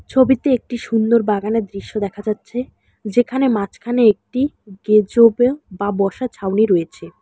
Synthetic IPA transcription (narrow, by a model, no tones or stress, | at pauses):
t͡ɕʰobit̪eek̚ʈiʃund̪oɾbaɡaned̪ɾiʃːod̪ɛkʰad͡ʑatːɕʰe | d͡ʑekʰanemat͡ɕkʰaneek̚ʈi | ɡ̥ed͡ʑobebabɔʃat͡ɕʰawniɾoet͡ɕʰe